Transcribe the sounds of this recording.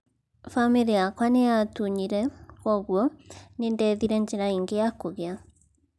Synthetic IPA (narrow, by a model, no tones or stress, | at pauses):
familiakwanejatuɲiɾɛkɔɣwɔnendɛːðiɾɛɲd͡ʒeɾaiŋɡeakoɣea